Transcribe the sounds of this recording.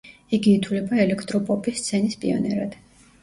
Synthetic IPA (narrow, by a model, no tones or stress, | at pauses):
iɡiːt̪ʰulɛbaɛlɛkʰt̪ʼɾɔpʼɔpʼist̪sʰɛnispʼḭɔ̰nɛɾad̪̥